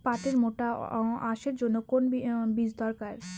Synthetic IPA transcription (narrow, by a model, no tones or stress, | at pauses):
pat̪eɾmoʈaaʃeɾd͡ʑonːokonbid͡ʑd̪ɔɾkaɾ